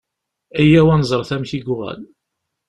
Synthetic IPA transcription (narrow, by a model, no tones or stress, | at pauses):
æjːæwænzˤəɾˤθæmθiɡʷʊʁæ̰l